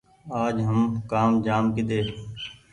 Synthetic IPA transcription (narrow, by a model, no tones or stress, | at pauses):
aːd͡ʒɦəmkaːmd͡ʒaːmkid̪eːɾ